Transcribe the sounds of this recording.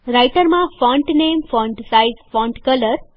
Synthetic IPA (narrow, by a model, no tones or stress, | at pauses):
ɾajʈəɾmãfɔ̃ɳʈnemfɔ̃ɳɖsaizfɔ̃ɳʈkələɾ